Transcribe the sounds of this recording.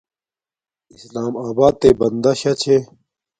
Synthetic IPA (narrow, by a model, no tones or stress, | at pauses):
islaːmaːbaːd̪̚t̪ebɐnd̪ɐɕɐt͡ɕʰe